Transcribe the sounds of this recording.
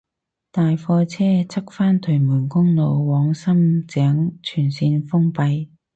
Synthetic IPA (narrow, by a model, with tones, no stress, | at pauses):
t̪aː˨jfɔː˧t͡sʰɛː˥t͡sʰɐ˥k̚faː˥nt̪ʰɵ˨˩jmuː˨˩nkʊ˥ŋno˨˧wwɔː˨˧˥ŋsɐ˥mt͡sɛː˨˥ŋt͡ʃʰyː˨˩nsiː˧nfʊ˥ŋpɐ˨˧j